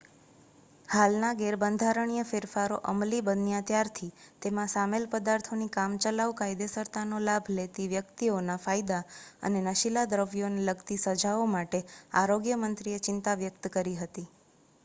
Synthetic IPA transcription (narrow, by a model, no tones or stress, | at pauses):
halnaɡeɾbənd̪ʱaɾəɳ̃ijəfɪɾfaɾoʔəmlibənjãt̪jaɾt̪ʰit̪emãsamelpəd̪aɾt̪ʰonikamt͡ʃəlaʋkajd̪esəɾt̪anolabʱlet̪iʋjəkt̪ionafajd̪aə̰nenəʃilad̪ɾəʋjoneləɡt̪isəd͡ʒʱaomaʈeaɾoɡjəmənt̪ɾiet͡ʃɪnt̪aʋjəkt̪kəɾiɦət̪i